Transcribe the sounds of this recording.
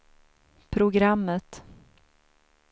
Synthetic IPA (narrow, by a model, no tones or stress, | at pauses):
pʰɾʊɡɾamːət̪